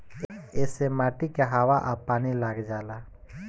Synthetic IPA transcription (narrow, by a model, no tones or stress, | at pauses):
esemaːʈikaɦaːʋaʔapaːnilaːɡd͡ʒaːlaː